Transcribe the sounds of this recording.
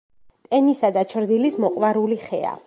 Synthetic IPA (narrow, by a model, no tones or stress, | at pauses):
t̪ʼɛnisad̪at͡ʃʰɾd̪ilismɔqʼvaɾuliχɛa̰